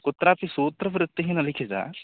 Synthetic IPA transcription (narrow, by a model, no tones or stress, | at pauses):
kʊt̪ːɾap̪isoːt̪ːɾəfɾɪt̪ːeɦinɐlɪkʰed͡ʒa̰ː